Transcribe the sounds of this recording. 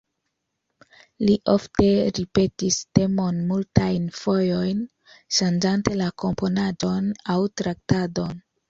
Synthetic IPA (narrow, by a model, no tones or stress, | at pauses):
liʔo̞fte̞ɾipe̞tiste̞mo̞nmultajnfojo̞jn | ʃand͡ʒante̞lako̞mpo̞nad͡ʒo̞nawtɾak̚tado̞n